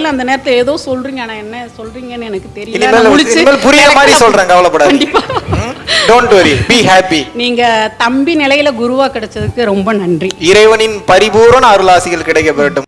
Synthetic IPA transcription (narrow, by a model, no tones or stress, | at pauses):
ɪlɐnd̪ɐneːɾɐt̪ːɯleːðoːsɔlriːŋɡɐaːnaɛnːɐsɔlriːŋɡɐnːɯɛnɐkːɯt̪ɛɾɪjɪnnɪmeːlmʊɭɪt͡ʃːɯmeːlpʊɾɪɣɐmaːisɔlrãːŋɡɐʋɐɭɐpːɐɽaːɐɳɖɪpːaː | ɖoːɳʈʋɐɾibiɦaːpiniːŋɡɐt̪ɐmbinɪlɐjɪlɐɡʊɾɯʋaːkɪɽɛt͡ʃːɐðɯkːɯɾɔmbɐnɐndriɪɾɐɪʋɐnɪnpɐɾɪbuːɾɐnaːɾɯlaːsɪɣɐɭkɪɽɐɪkːɐʋɐɾɐʈːɯm